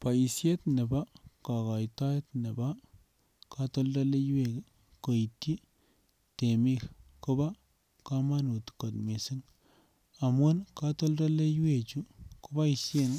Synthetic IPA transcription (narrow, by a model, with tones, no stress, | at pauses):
pa˨i˨sje˦tnɪ˨ba˦ka˨ka˨jta˦jtnɪ˨ba˦ | ka˦tɔ˦lda˦le˦jwe˨k | ko˨i˨tːi˦ | te˨mi˦kkʊ˦ba˦ | ka˦ma˦nu˨tko˨tme˨sɪ˦ŋ | a˨mu˦nka˦to˦lda˦le˦ju˦we˨t͡ʃu˦ku˦ba˦i˨se˦ŋ